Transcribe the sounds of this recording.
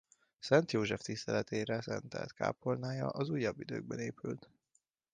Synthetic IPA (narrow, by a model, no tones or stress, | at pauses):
sɛnt̪joːʒɛft̪ist̪ɛlɛt̪eːɾɛsɛnt̪ɛ̰lt̪ka̰ːpolnaːjɒʔɒzuːjːɒbːid̪ø̰ːɡ̚bɛneːpylt̪